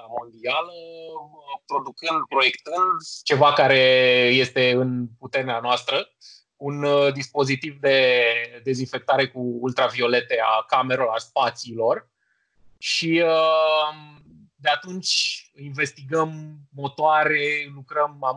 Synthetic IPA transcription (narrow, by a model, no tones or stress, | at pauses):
mo̞nd̪ialəəpɾo̞d̪ukɨnd̪pɾo̞je̞kt̪ɨnd̪t͡ʃe̞vakaɾe̞je̞st̪e̞ɨnput̪e̞ɾeanoast̪ɾə | und̪ispo̞zit̪ivd̪e̞d̪e̞zinfe̞k̚t̪aɾe̞kuːlt̪ɾavio̞le̞t̪e̞a̰kame̞ɾeoaspat̪siːlo̞r | ʃiə | d̪e̞at̪unt͡ʃʲinve̞st̪iɡəmːo̞t̪oaɾe̞lukɾəma